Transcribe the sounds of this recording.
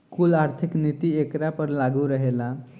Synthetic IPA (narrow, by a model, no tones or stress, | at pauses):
kulaɾt̪ʰiknit̪iekɾapəɾlaɡuɾəɦela